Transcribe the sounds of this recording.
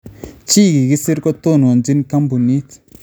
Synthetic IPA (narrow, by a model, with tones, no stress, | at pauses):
t͡ʃiː˦˨ɡi˨ki˦se˦ɾkɔ˦t̪o˦˨n˨o˨nd͡ʒi˦n˦ka˦mbu˨ni˦t͡s